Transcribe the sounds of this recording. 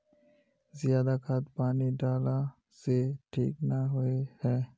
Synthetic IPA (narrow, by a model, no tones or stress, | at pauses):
zɪjaːd̪akʰat̪paːniɖaːla | seʈʰḭːknaɦʊehɛː